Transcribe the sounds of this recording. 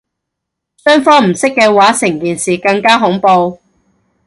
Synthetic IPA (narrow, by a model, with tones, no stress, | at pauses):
sœː˥ŋfɔː˥ŋm̩˨˩sɪ˥kːɛː˧waː˨˥sɪ˨˩ŋkiː˨nsiː˨kɐ˧ŋkaː˥ɦʊ˨˥ŋpo˧w